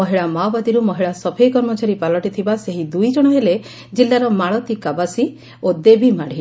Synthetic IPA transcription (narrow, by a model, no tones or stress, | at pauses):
ɔɦiɭamawbad̪iɾumɔɦiɭasɔpʰejkɔɾmɔt͡ʃaɾipalɔʈit̪ʰibaseɦid̪ujd͡ʒɔɽ̃ɔɦele | d͡ʒilːaɾɔmaɭɔt̪ikabasi | od̪ebʱimaɽ̤i